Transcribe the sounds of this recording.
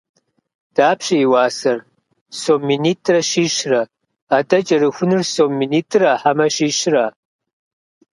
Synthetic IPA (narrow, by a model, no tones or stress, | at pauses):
d̥aːpʰɕɐiwɑːsɐr | soːmːiniːtʰrɐʃiːʃrɐ | adɐt͡ʃʼɐrɨxʷʊnɨrsomːiniːtʰraħamɐʃiːʃra